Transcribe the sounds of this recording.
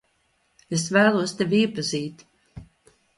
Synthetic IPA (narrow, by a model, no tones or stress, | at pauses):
es̬væːlˠuɔst̪evʲiːpaziːt̪